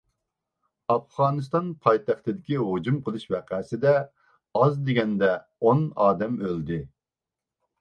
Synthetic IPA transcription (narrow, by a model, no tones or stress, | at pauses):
ɑfʁɑːnɨst̪ɑnpʰɑjt̪ʰæχt̪ɨd̪ɪkʲiɦod͡ʒumqʰəlˠɨʃvɛqæsɪd̪ɛ | ɑzd̪eɡʲɛnd̪ɛ | onɑːd̪ɛmøld̪ɪ